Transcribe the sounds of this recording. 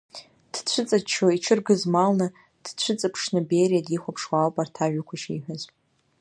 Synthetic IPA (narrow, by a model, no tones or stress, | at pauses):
d̥t͡ɕʷʰʊt͡sʼat͡ʃʰoiʈ͡ʂʰɨrɡɨzmalnɨ | d̥t͡ɕʷʰʊt͡sʼɨpʰʂnɨbejɾiadʼiχʷapʰʂwalpʼartʰaʒᶣakʷʰaʃḭħʷᶣaz